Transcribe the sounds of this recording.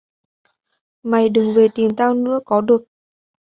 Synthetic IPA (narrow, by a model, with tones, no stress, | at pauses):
ma˨˩jɗɨ˨˩ŋve˨˩t̪i˨˩mt̪aː˧wnɨ̰˧˥əkɔ˨˦ɗɨ˨˩ək̚